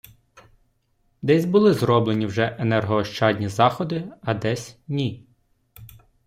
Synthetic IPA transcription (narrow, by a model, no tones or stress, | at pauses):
d̪ɛsʲbʊlˠɪzɾɔblenʲiwʒɛʔenɛrɦɔːʃt͡ʃɑdʲnʲizɑxɔd̪ɪɐd̪ɛsʲnʲi